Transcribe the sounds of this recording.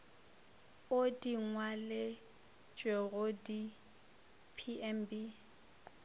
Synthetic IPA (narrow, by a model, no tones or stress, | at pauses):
odiŋwale | t͡ʃʼweɣʊdi | pʰiʔɛmbi